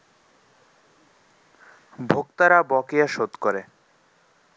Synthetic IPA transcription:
bʱokt̪aɾabɔkejaʃot̪koɾe

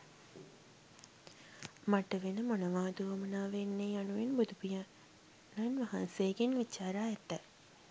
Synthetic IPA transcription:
maʈəʋenəmonəʋaːd̪uʋəmɐnaːʋenːeanuʋenbud̪upija | nanʋaɦansejːɡenʋit͡ʃaːɾaːɛt̪ːə

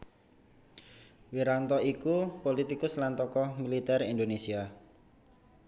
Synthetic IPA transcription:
wiɾant̪ɔikupolit̪ikʊslant̪ɔkɔmilit̪ɛrind̪onesia

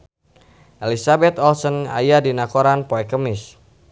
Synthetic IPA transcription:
ʔelisabɛt̪ɔlsɔna̰jadinakoɾanpoɛkəmɪs

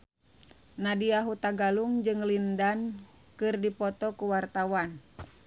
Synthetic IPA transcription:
nadiaɦut̪aɡaluŋd͡ʒɨŋlindan | kɨrdipɔt̪ɔkuwart̪awan

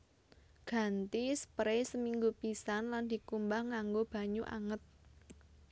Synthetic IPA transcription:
ɡ̥a̤nt̪ispɾesəmiŋɡupisanland̪̥i̤kumbahŋaŋɡob̥a̤ɲuʔa̰ŋət̪̚

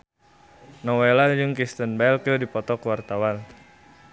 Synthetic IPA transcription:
nɔwelad͡ʒɨŋkist̪ənbɛlkədipɔt̪ɔkwart̪awan

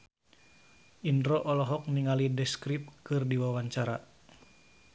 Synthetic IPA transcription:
ʔindɾɔʔɔlɔɦɔk̚niŋalidɛskɾip̚kɨrdiwawaɲt͡ʃaɾa

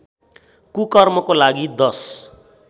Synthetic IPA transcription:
kukʌrmʌkolaɡid̪ʌs

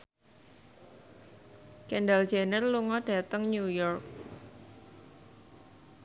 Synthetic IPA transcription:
kɛnɖald͡ʒenərluŋɔɖ̥ä̤t̪əŋnujɔrk̚

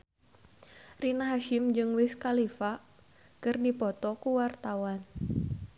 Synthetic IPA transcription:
rinaɦaʃɪmd͡ʒɨŋwɪskalifa | kɨrdipɔt̪ɔkuwart̪awan

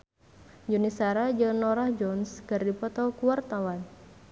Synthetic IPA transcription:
d͡ʒunisaɾad͡ʒənɔɾahd͡ʒɔnskɨrdipɔt̪ɔkuwart̪awan

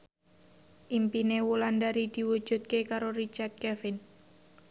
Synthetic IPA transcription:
ʔimpinewulandaɾid̪̥i̤wu̥d͡ʒ̥ṳt̪̚kekaɾoɾit͡ʃart̪̚kɛfɪn

